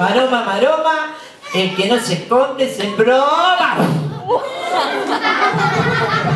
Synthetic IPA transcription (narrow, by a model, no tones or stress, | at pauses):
aɾomamaɾoma | elkenosekond̪esembɾoβa